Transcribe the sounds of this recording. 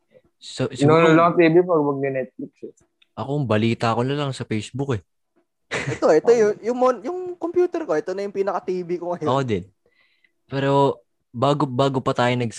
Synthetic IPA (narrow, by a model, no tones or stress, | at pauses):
sɐsɪnʊnlɐt̪iːbipɐɡwɐɡ̚nɛnɛt̪̚fliksɛ | ʔɐkoŋbɐliːt̪ɐko̞nɐlɐŋsɐfejsbʊkɛ | ʔɛt̪o̞ʔɛt̪ojʊjʊŋmonjʊŋkompjuːt̪ɛɾko̞ɛt̪onɐjʊŋpiːnɐkɐt̪iːbikʊŋɐjʔod̪ɛd̪̚ | pɛːɾo̞ | baːɡobaːɡo̞pɐt̪aːjonɐɡ̚s